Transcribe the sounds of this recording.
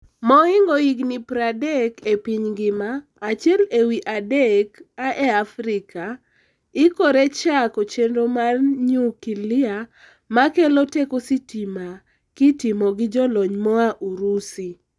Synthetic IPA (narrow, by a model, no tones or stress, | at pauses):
mɔɪŋɡoiɡnipɾadɛkepiɲɡɪmaː | t͡ʃjɛlewiʔadekaʔɛafɾɪka | ɪkoɾet͡ʃakot͡ʃendomarɲukilɪa | makelotekositima | kitimɔɡɪd͡ʒɔlɔɲmɔaʔuɾusi